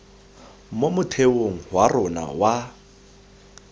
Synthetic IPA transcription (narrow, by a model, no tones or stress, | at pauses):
momʊtʰeoŋ̩ɦwarʊna̰wa